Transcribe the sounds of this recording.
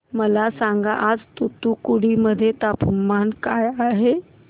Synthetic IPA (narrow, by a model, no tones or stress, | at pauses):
məlasãŋɡaʔad͡zt̪ut̪ukuɽiməd̪ʱjet̪apəmːankajaɦe